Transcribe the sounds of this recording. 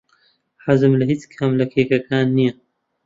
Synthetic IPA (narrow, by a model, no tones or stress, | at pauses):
ħazɨmlɐɦiːt͡skʰɐmlɐkʰeːkɐkʰaːnːijɐ